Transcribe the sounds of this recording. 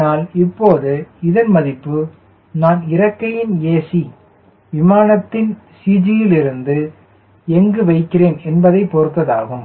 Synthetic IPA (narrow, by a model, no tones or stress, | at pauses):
aːlɪpːoːðɯɪðɐnmɐðɪpːɯ | naːnɪɾɐkːɐjɪneːsi | ʋɪmaːnɐt̪ːɪn | siːd͡ʒɪjɪlɪɾɯnd̪ɯ | ɛŋɡɯʋɐɪkːɪreːnɛnbɐðɐɪpːɔɾɯt̪ːɐðaːɣɯm